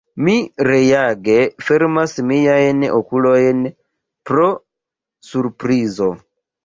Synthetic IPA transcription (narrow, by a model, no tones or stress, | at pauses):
miɾejaɡefeɾmasmijajno̰kulojn | pɾo | suɾpɾizo